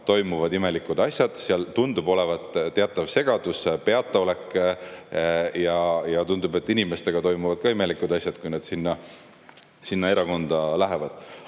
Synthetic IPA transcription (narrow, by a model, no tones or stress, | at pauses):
t̪o̞jmuvɑd̪ime̞likːˑud̪̥ɑsjɑd̪̥seɑlt̪und̪̥ubo̞le̞vɑt̪t̪ːeɑt̪ːˑɑvse̞ɡ̥ɑd̪̥uspe̞ɑt̪ˑːeo̞le̞kː | jɑjɑt̪und̪ube̞t̪ːˑinime̞st̪e̞ɡ̥ɑt̪o̞jmuvɑd̪̥kɑime̞likːˑud̪̥ɑsʲjɑd̪̥kujned̪̥sinːɑ | sinːɑe̞ɾɑko̞nd̪̥ɑlæɦe̞vɑd̪̥